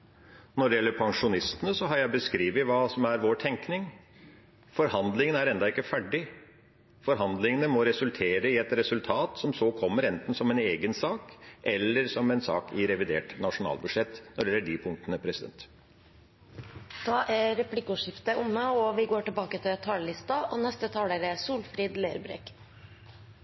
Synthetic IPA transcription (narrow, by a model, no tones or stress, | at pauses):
nɔɖɛjɛlːəɾpʰɑŋʂʊnɪst̪ənəsɔɦɑɾjæɪbəskɾiːʋɪʋɑːsɔmæɾʋoːʈʰɛŋknɪŋ | fɔɾhɑnd̪lɪŋənəæɾɛnd̪ɑɪkːəfæɖɪ | fɔɾɦɑnd̪lɪŋənəmɔɾɛsʉlt̪ʰeːɾəɪɛt̪ɾɛsʉlt̪ʰɑːt̪sɔmsoːkʰɔmːəɾɛnt̪n̩sɔmɛneːɡənsɑːkʔɛlːəɾsɔmɛnsɑ̰ːkɪɾɛʋɪd̪ḛːʈnɑʂʊnɑ̰ːlbʉd̪ʂɛt̪ːnɔɖjɛlːəɖipʰʊŋkt̪ənəpʰɾɛsɪd̪ɛ̰nt̪ | d̪̥ɑːʔæɾɛpʰlɪkːʊʂɪft̪əʔʊmːəɔʋɪɡoːʈɪlbɑːkət̪ʰɪlt̪ʰɑːllɪst̪ɑʔɔnɛst̪ət̪ʰɑːlæɾɛsuːlfɾiːd̪leːɾbɾḛːk